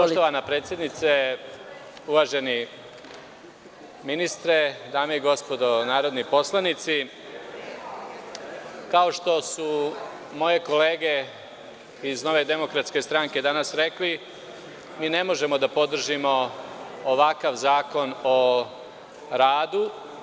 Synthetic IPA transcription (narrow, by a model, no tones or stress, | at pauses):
poʃt̪oʋamnapɾeːt̪sʲje̞d̪nit̪se̞ | uʋaːʒe̞ni | minist̪ɾe̞d̪aːmeiɡo̞spo̞d̪o̞naːɾo̞d̪nipo̞slˠanit̪si | kao̞ʃt̪o̞su | mo̞je̞ko̞le̞ːɡe̞ | izno̞ʋe̞d̪e̞mo̞kɾat̪ske̞st̪ɾaŋke̞d̪anasɾe̞kli | miːne̞mo̞ʒe̞mo̞d̪apo̞d̪r̩ʒimo̞ː | ʋakaʋzaːko̞no | ɾaːd̪u